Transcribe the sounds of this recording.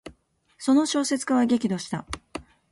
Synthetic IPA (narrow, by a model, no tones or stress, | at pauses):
so̞no̞ɕo̞ːse̞t͡sɨ̥kaβaɡʲe̞kʲid̪o̞ɕi̥t̪a